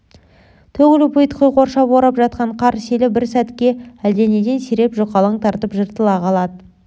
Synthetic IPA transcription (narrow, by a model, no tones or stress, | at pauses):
t̪ʰɵɡʲɪlɪpʰujt̪qʰəjqo̞ɾʃɑpoɾɑpʒɑt̪̚qɑɴqʰɑɾselɪbɪɾsæt̪kʲe̞æld̪e̞ne̞d̪e̞nseɾe̞pʒoqɑlˠəɴt̪ʰɑɾt̪əpʒəɾt̪əlˠɑqʰɑlˠɑd̪ə